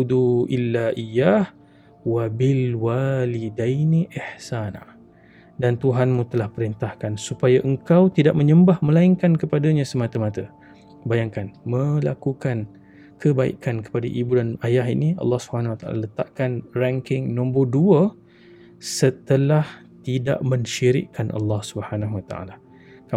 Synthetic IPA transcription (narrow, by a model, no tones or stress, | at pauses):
ud̪uʔilːaʔijah | wabɪlwalidajniʔɪħsana̰ | dant̪uɦanmũt̪əlahpəɾint̪ahkansupajaʔəŋkawt̪idaʔ̚məɲəmbahmə̃laiŋkankəpadaɲãsəmat̪əmat̪a | bajaŋkanmə̃lakukan | kəbaḭkankə̥padaʔibudanajaɦḭniɑ̰lːɑhsubəhanahwat̪aʔa̰lalət̪aʔkanraŋkɪŋnɔ̃mbəduə | sət̪əlah | t̪ida̰ʔməɲʃiɾɪ̰ʔkːanʔa̰lːɑhsubəhanaɦuat̪aʔa̰la | ka